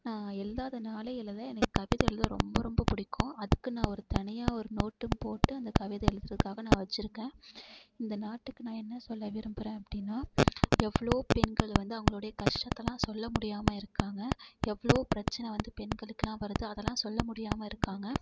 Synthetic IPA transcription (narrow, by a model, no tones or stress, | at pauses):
nãːɛlːaːðɐnaːlɐjɪlɐlɐɛnɐkːɯ̥kɐʋɪðɐɛɭɯðɐɾɔ̰mbɐɾɔmbɐpʊɽɪkʰːõːɐðɯkːɯnãːɔɾɯt̪ɐɳɪjaːɔɾɯnoːʈːɯmpoːʈːɯɐnd̪ɐkɐʋɪðɐɛɭɯðɾɐðɯkaːɣɐnãːʋɐt͡ʃːɪɾɯkːẽː | ɪnd̪ɐnaːʈːɯkːɯnãːɛnːɐsɔlːɐʋɪɾɯmpɯɾẽːɐpːɐɽɪnːaːɛʋːɐɭoːpɛnɡɐɭʋɐnd̪ɯɐʋɐŋɡɐɭoːɽɐjɐkɐʂʈɐt̪ːɐlãːsɔlːɐmʊɽɪjaːmɐɪɾɯkːaːŋɡɐɛʋːɐɭoːpɪɾɐt͡ʃːɐnɛʋɐnd̪ɯpɛnɡɐɭɯkːɯlãːʋɐɾɯðɯɐðɛlːãːsɔlːɐmʊɽɪjaːmɐɪɾɯkːaːŋɡɐ